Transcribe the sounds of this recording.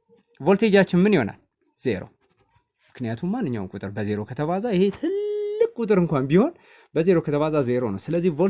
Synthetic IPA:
vo̞lt̪ʰe̞d͡ʒat͡ʃːɪnmɨnjho̞na̰l | z̥e̞ɾo̰ | mɨknijat̪ʰumːanːɨɲːa̰wmkʼut̪ʼɨɾbəze̞ɾo̞kʰət̪ʰəβazajɪhe̞t̪ʰɨlːɨkʼkʼut̪ʼɨɾɨŋkʷanbiho̞n | bəze̞ɾo̞kʰət̪ʰəβazaze̞ɾo̞nəwsɨləzːihvo

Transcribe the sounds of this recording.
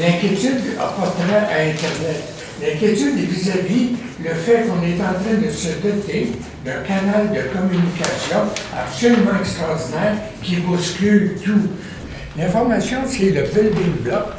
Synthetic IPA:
lɛ̃kʲjet̪yd̪a̰pɔʁt̪əʁɛʔaɛ̃t̪ɛʁnɛt̪ | lɛ̃kʲjet̪yd̪evizavi | ləfɛkɔ̃nɛt̪ɑ̃t̪ʁɛ̃d̪əsəd̪ɔt̪e | d̪ɛ̃kanald̪əkɔmynikʲasjɔ̃a̰psɔlymɑ̃ɛkst̪ʁɑɔʁd̪inɛːʁ | kʲibuskʲylt̪u | lɛ̃fɔʁmasjɔ̃sɛləvɪlb̪ɪ̃ŋblɔk

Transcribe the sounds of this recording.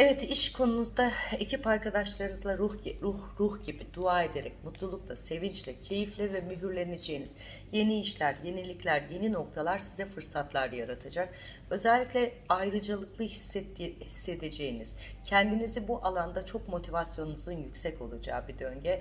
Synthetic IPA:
evɛt̪iʃkʰo̞nunuzd̪aecʰipaɾkad̪aʃlˠaɾɯnɯzlˠaɾuhɾuhɾuhɟibid̪uaːe̞d̪e̞ɾɛ̰c̚mut̪lˠulˠuklˠase̞vint͡ʃlʲɛcʰe̞jiflʲɛvɛmyɦyɾlʲe̞ned͡ʒe̞jiniz̥ | je̞niːʃlʲæɾje̞nilʲiclʲæɾje̞nino̞kt̪ʰalˠaɾsizɛfɯɾsat̪lˠaɾd̪ajaɾat̪ʰad͡ʒak̚ | ø̞zɛlʲːicʲlʲɛ | ajɾɯd͡ʒalˠɯklˠɯhishisːe̞t̪ʰe̞d͡ʒe̞jiniz̥cʰɛnd̪inizibuʔalˠand̪at͡ʃʰo̞kmo̞t̪ʰivasjo̞nunuzɯnjycʲsɛco̞lˠad͡ʒa̰ːbid̪ø̞ɲɟɛ

